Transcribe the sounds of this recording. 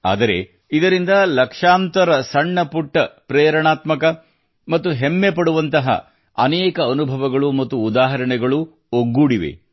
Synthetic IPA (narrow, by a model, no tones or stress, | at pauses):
a̰ːd̪ɐɾe̞̰ | id̪ɐɾind̪ɐlɐkʂaːnt̪ɐɾɐsɐɳːɐpuʈːɐpɾɛːɾɐɳaːt̪mɐkɐ | mɐt̪ːuɦemːepɐɽuʋɐnt̪ɐɦɐ̰ | ɐnɛːkɐːnubʱɐʋɐɡɐɭumɐt̪ːuːd̪aːɦɐɾɐɳɛɡɐɭu | oɡːuːɽiʋe̞̰